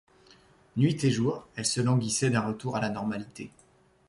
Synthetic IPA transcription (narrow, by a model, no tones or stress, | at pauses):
nɥit̪eʒuːʁɛlsəlɑ̃ɡʲisɛd̪ɛ̃ʁət̪uʁalanɔʁmalit̪e